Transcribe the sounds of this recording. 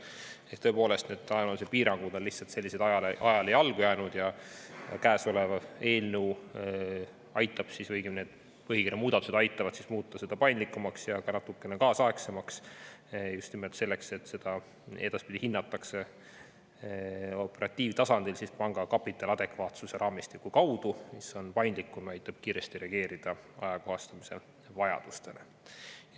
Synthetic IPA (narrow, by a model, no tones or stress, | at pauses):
ekt̪ɤ̞epo̞ːle̞st̪ned̪ɑjnolsepiːɾɑŋɡ̥ud̪̥onlːihtsɑlt̪se̞lʲːised̪ɑjɑlʔɑjɑle̞jɑlɡ̥ujæːnud̪̥jɑjɑ̰kæːso̞levɑe̞ːlnew | ɑjt̪ːˑɑb̥sisvɤjɡ̥ine̞ːd̪̥ | pɤɦikirjɑmuːd̪̥ɑt̪use̞d̪ɑjt̪ːˑɑvɑd̪sismuːt̪ːˑɑse̞d̪ɑpɑjnd̪likːumɑksjɑɡ̥ɑnɑt̪ːukːˑe̞nekɑːsɑeksemɑks | just̪nimelt̪se̞lːekse̞t̪ːse̞d̪̥ɑ | e̞d̪ɑspid̪̥ihinːɑt̪ːˑɑkse̞ | o̞pːˑe̞ɾɑt̪ʲːˑiːvt̪ɑsɑnd̪̥ilsispɑŋɡ̥ɑkɑpːit̪ːˑɑlɑd̪̥e̞kvɑːt̪suse̞ɾʔɑːmist̪ikːˑukɑwd̪̥umiso̞npɑjnd̪likːˑumɑjt̪ːˑɑb̥̚kiːɾe̞st̪iɾe̞ɑɡ̥e̞ːɾid̪̥ɑɑjɑko̞hɑst̪ɑmise̞ | vɑjɑ̰d̪̥ust̪e̞ne